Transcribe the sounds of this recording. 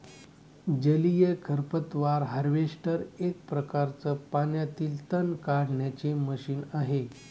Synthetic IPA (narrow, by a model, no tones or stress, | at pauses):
d͡ʑəlijekʰəɾpət̪ʋaɾɦəɾʋeʂʈəɾek̚pɾəkaɾt͡səpanjat̪iːlt̪ənkaɽɳjat͡ɕeməɕiːnaɦe